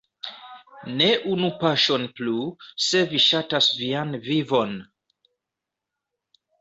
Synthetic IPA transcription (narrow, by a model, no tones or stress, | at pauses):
neʔunupaʃo̞npluse̞viʃatasvianvivon